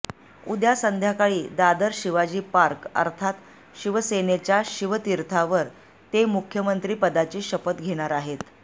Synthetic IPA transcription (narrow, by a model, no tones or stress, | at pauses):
ud̪jasənd̪ʱjakaɭiːd̪ad̪əɾɕiʋad͡ʑiːpaɾkə̰ɾt̪ʰat̪ | ɕiʋəsenet͡ɕjaɕiʋət̪iɾt̪ʰaʋəɾ | t̪emukʰːjəmənt̪ɾiːpəd̪at͡ɕiːɕəpət̪ɡʱeɽ̃aɾaɦet̪